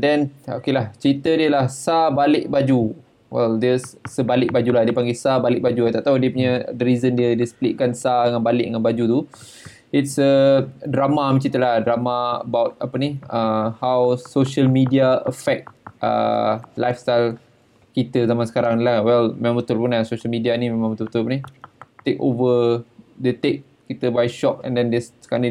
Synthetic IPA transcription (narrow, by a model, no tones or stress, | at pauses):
dɛno̰kelaht͡ʃəɾit̪ədiəlahsabalɪʔ̚bad͡ʒu | wɛ̰ldiəssəbalɪʔ̚bad͡ʒulahdiəpaŋɡesabalɪk̚bad͡ʒuat̪aʔ̚t̪audiəpuɲədəɾizəndiədiəsə̥plḭʔkansadəŋanbalɪ̰ʔ̚dəŋanbad͡ʒut̪u | itsədɾamamət͡ʃit̪əlahdɾamaə̰bawt̪̚apəniəhawsoʃəlmidiaəfɛk̚t̪̚ʔə̰la̰jfst̪ajl | kit̪əzamansə̥kaɾaŋlawɛlmemãmbət̪ʊlpunlasoʃəlmidianĩmemãŋbət̪ʊlbət̪ʊlpunit̪ekovədət̪ek̚ | kit̪əbajʃɔp̚ɛ̰̃ndɛndɛskani